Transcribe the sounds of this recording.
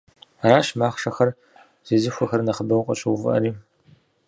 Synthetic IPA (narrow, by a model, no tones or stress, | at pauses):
raːɕmaːχʷʂɐxɐr | z̥eːzɨxʷɐxɐrnɐχəbɐwqʼɐ̰ɕʼɨwvɨ̰ʔɐ̰ɾiː